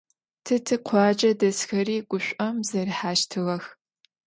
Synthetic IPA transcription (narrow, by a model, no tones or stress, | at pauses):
tʰɨtʰɨqʷʰɑːd͡ʒʼɐdɐsxɐriːɡ̥ʷʊɕʷʼɐmzɐriħaːʃtʰɨʁɐx